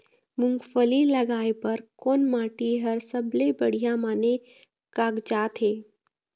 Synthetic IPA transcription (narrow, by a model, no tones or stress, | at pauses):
mʊŋɡfəlilɐɡaːepɐɾkoːnmaːʈiɦɐɾsəblebɐɽ̤ijãmaːne | kaːɡd͡ʒaːt̪ɦeː